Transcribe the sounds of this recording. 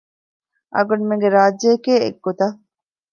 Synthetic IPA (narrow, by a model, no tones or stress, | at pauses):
ʔɐ̰ɡunmeŋɡeɾaːd͡ʒːeːkeːḛɡːot̪ɐ